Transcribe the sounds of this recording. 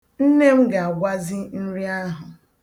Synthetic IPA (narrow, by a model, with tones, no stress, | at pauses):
n̩˦ne˦m̩˦ɡa˨a˨ɡʷa˦zɪ˦n̩˦ɾi˦a˦ɦʊ˨